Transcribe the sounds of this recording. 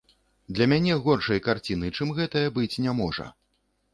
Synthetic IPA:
d̪lʲɐmʲanʲɛɣɔrʂɐjkart͡sʲinɨt͡ʂɨmɣɛt̪ɐjɐbɨt͡sʲnʲamɔʐɐ̰

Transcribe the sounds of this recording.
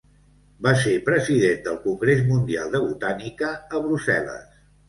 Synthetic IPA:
basepɾəziðend̪əlˠkuŋɡɾezmund̪ia̰lˠd̪əβut̪anikəəβɾuzɛlə̰s

